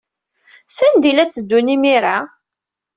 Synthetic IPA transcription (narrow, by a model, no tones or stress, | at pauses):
sænd̪ilæt͡sːəd̪ːunimiɾa